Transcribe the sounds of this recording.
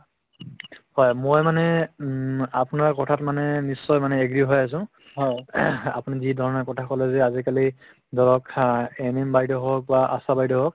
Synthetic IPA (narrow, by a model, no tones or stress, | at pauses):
hɔjmojmanɛ | apʊnaɹkɔtʰatmanɛnisːɔjmanɛeɡɹiɦojas̬ʊ̃ | ɦɔja̰pʊnizidʱɔɹɔnɛkɔtʰakɔlɛzɛazikali | dɔɹɔkɛnimbajdɔɦɔk̚baʔa̰sabajdɔɦɔk̚